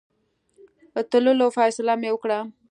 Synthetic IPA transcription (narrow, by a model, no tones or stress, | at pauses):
ət̪əlolofɑjsɪlamewəkɽa